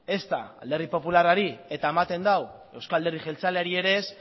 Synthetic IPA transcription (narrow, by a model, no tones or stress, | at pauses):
e̞st̪aald̪e̞rðipo̞pularaɾie̞t̪aemat̪e̞nd̪awe̞wskald̪erðiʝe̞lt͡saleaɾie̞ɾe̞s